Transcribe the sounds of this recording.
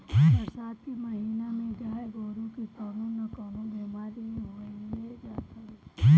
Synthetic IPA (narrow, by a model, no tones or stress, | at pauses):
kʰiːɐsaːt̪̚kimɐɦiːnamẽd͡ʒaːeɡoːɾũkikaːnũːnɐkaːnõbɛːmaːɾĩɦoːied͡ʒaːt̪akʰiː